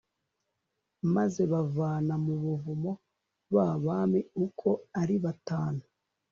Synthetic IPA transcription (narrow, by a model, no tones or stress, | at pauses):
maze̞βavaːnamuβuvumo̞ | βaβamiukʰo̞aɾiβataːnu